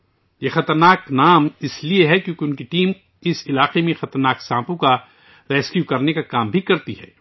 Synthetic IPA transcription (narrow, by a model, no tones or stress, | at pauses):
jexɐt̪ɐɾnaːknaːmɪslieɦɛkjõːkeʊnkiʈiːm | ɪsɪlaːqemẽxɐt̪əɾnaːksãːpõka | ɾɛːskjukɐɾnekakaːmbʱikɐɾt̪iɦɛ̰ː